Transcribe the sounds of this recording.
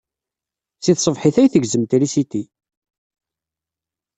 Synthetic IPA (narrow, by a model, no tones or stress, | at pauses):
θiθsˤəvħiθæjθəʝzəmt̪ilisit̪i